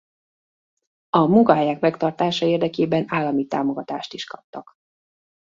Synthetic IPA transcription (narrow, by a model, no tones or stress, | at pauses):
ɒmuŋkɒɦɛjakmɛkt̪ɒrt̪aːʃɒeːrd̪ɛkeːbɛnaːlːɒmit̪a̰ːmo̞ɡɒt̪aːʃt̪iʃkɒp̚t̪ɒk